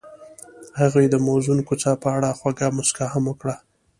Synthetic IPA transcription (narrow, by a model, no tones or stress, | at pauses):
haɣujd̪əmawzunkot͡sɑpəaɽaxwaɡamʊskahamwəkɽa